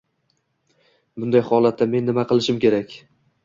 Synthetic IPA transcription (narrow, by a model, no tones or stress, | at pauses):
bʊnd̪ajhɒlˠat̪ʰːame̞nːɪmaqʰɨlˠɪʃɪmkʲe̞ɾakʲ